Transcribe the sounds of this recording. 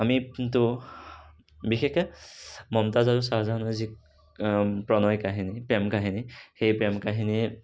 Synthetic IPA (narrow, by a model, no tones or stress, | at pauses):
amitʊ | bixekɛmɔmtazaɹusazanɔzik | pɹɔnɔjkaɦinipɹɛmkaɦinixejpɹɛmkaɦini